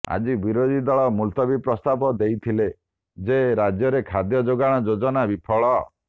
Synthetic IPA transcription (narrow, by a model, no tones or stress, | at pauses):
a̰d͡ʒibiɾod̪id̪ɔɭɔmult̪ɔbipɾɔst̪abɔd̪ejt̪ʰile | d͡ʒeɾad͡ʒjɔɾekʰad̪jɔd͡ʒoɡaɽ̃ɔd͡ʒod͡ʒɔnabipʰɔɭɔ